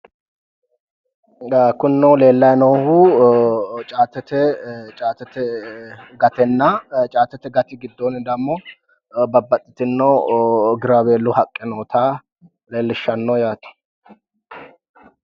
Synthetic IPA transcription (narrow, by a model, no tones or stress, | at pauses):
kʊnːole̞ːlːɐjnoːhu | t͡ʃʼaːt̪ːɛt̪ɛt͡ʃʼaːt̪ɛt̪ɛ | ɡɐt̪ɛnːɐt͡ʃʼaːt̪ːɛt̪ɛɡɐt̪ɪɡɪd̪ːonɪd̪ɐmːo | bɐbːɐt̪ʼːɪt̪ɪnːowɡɪɾaβeːlːʊhɐkʼːɪnoːt̪ʰa | le̞ːlːɪʃːɐnːoːjaːt̪ɐ̥